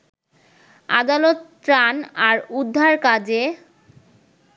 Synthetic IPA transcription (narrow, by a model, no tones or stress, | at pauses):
a̰d̪alot̪ | ɾanaɾud̪ʱːaɾkad͡ʑe